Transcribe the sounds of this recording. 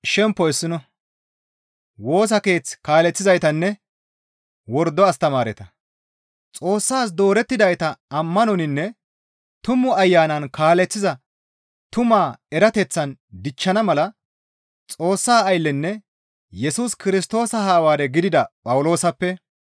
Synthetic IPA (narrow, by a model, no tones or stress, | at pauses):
ʃɛmpːɔɛsːɪnɔ | wo̞ːs̬ɐke̞ːt͡skaːlɛt͡sːɪzɐjt̪ɐnːɛ | wɔɾd̪ːɔɐst̪ɐmaːɾɛt̪ɐ | t͡sʼo̞ːsːaːs̬d̪o̞ːɾɛt̪ːɪd̪ɐjt̪ɐɐmːɐnɔnɪnːɛ | t̪ʊmʊɐjːaːnɐnkaːlɛt͡sːɪzɐ | t̪ʊmaːɛɾɐt̪ɛt͡sːɐnd̪ɪt͡ʃːɐnɐmɐlɐ | t͡sʼo̞ːsːaːɐjlːɛnːɛ | jɛsuskɪɾɪs̬t̪o̞ːsɐhaːwaːd̪ɛɡɪd̪ɪd̪ɐpʼɐwʊlo̞ːsɐpːɛ